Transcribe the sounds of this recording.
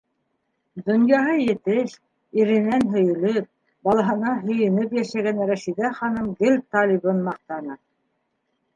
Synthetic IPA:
d̪ŏnjɑɦɤjɘ̆t̪ɘʃ | iɾɘ̆nænɦɵ̆jɘ̆lɘp̚ | bɑlˠɑɦɤ̆nɑɦɵ̆jɘ̆nɘpjæʃæɡænɾæʃid̪æχɑnɤmd̪ɘlʲt̪ɑlʲiβɤnmɑq̚t̪ɑnɤ

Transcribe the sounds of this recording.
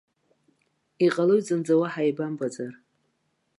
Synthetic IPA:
iqʼalɨɥd͡zɨnd͡zawaħajbambad͡zʼar

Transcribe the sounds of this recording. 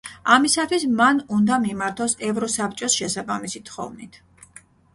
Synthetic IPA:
amisat̪ʰwismanund̪amimaɾt̪ʰɔsɛvɾɔsap̚ʰt͡ʃʼɔsʃɛsabamisit̪ʰχɔ̰vnit̪ʰ

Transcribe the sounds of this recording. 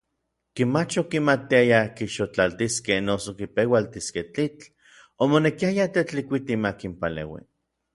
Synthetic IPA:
kimat͡ʃokimat̪iajakiʃot͡ɬalt̪iskehnosokipewalt̪iskeht͡ɬit͡ɬ | omonekiajat̪et͡ɬikʷit̪imakimpalḛwḭ

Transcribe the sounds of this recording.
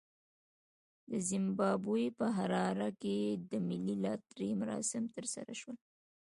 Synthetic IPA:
d̪əzɪmbɑbujpəɦaɾɑɾaked̪əmɪlːilɑt̪ɾimaɾɑ̰sɪmt̪əɾsa̰ɾaʃwəl

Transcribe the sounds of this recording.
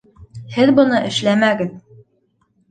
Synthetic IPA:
hɘðbɤ̆nɤʔɘ̆ʃlæmæɡɘð

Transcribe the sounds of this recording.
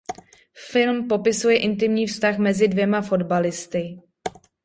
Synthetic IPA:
fɪlmpo̞pɪsujɛʔɪnt̪ɪmɲiːfst̪axmɛzɪdvjɛmafo̞dbalɪst̪ɪ

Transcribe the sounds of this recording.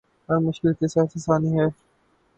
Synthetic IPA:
ɦɐɾmʊʃkɪlkesjaːsesaːniɦɛː

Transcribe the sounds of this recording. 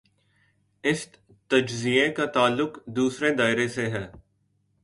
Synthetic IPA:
ɪs | t̪ɐd͡ʒzijẽkat̪aːlːʊqd̪uːsɾed̪aːɪɾeseɦɛː

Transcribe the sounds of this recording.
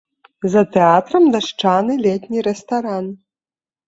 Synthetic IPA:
zɐt̪ɛat̪ɾɐmd̪ɐʂt͡ʂanɨlʲɛt̪ʲnʲiɾɛst̪aɾan

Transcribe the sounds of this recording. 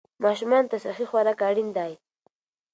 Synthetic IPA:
maʃʊmant̪asaχɪxwaɾakaɽɪnd̪aj

